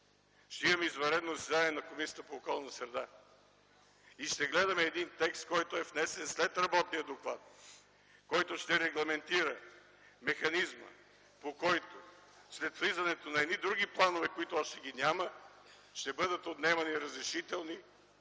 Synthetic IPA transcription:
ʃt̪ɛimɐmɛizvɐɾɛd̪nozsɛd̪aniɛnɐkomisijət̪əpoːkɔlˠnt̪sɾɛd̪a | iʃt̪ɛɡlɛd̪ɐmɛːd̪int̪ɛkst̪̚kɔjt̪oɛfnɛsɛnslɛt̪ɾɐbɔt̪nijəd̪oklˠat̪̚ | kɔjt̪oʃt̪ɛɾɛɡlˠɐmɛnt̪iɾə | mɛxɐnizmə̰ | pokɔjt̪o | slɛt̪flizɐnɛt̪onɐɛd̪nid̪ɾuɡiplˠanovɛkoit̪oaʃt̪ɛɡinʲamə | ʃt̪ɛbɤd̪ət̪ot̪nɛmɐniɾɐzɾɛʃit̪ɛlˠni

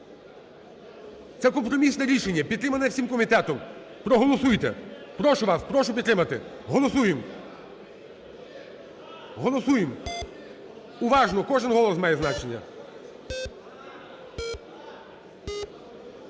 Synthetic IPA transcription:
t̪sɛkɔmpɾɔmʲisnɛɾʲiʃenʲːɐpʲid̪ɾɪmɐnɛwsʲimkɔmʲit̪ɛt̪ɔm | pɾɔɦɔlˠɔsujt̪ɛ̰pɾɔʃʊʋaspɾɔʃʊpʲd̪ɾɪmɐt̪ɪ | ɦɔlˠɔsujem | ɦɔlˠɔsujem | ʊʋɑʒnɔkɔʒɪnɦɔlˠɔsmɑjɛznat͡ʃenʲːɐ̰

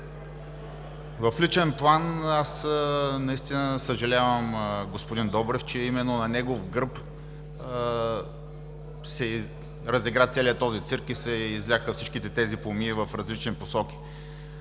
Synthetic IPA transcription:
vɐflit͡ʃɛnplˠanasnɐist̪inəsəʒɐlʲavəmɡospod̪ind̪ɔbɾɛft͡ʃɛimɛnːonɐnɛɡovɡəɾp | sɛ | ɾɐziɡɾat̪sɛlʲiət̪ɔzit̪siɾkisɛizlʲaxəfsit͡ʃkit̪ɛt̪ɛzipˠomiːvəfɾɐzlit͡ʃniposɔk̟i̥

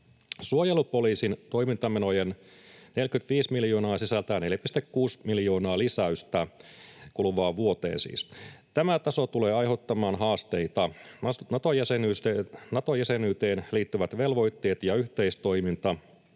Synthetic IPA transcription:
suojelupoliːsint̪o̞jmint̪ɑmenojen | nelkyt̪ʋiːsmiljoːnɑːsisælt̪æneljæpist̪ekkuːsmiljo̞ːnɑːlisæyst̪ækulʋɑːʋuot̪ḛːnsḭːst̪æmæt̪ɑsot̪uleːɑjhot̪ːɑmɑːnɦɑːst̪eit̪ɑnɑt̪ojæsenyːsenɑt̪ojæsenyːt̪eːnliːt̪ːyʋæt̪ʋelʋo̞it̪ːeːt̪jɑyht̪eist̪o̞imint̪ɑ

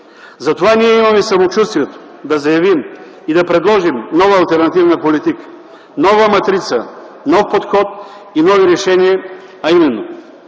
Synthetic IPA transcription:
zɐt̪ovaniɛimɐmɛsɐmot͡ʃust̪vijɛt̪o̥ | d̪ɐzɐjɐvim | id̪ɐpɾɛd̪lˠɔʒimnɔvɐːlˠt̪ɛɾnɐt̪ivnəpolit̪ikə̥ | nɔvəmɐt̪ɾit̪sə | nɔfpot̪xɔt̪̚ | inɔviɾɛʃɛniə | ɐimɛnːo

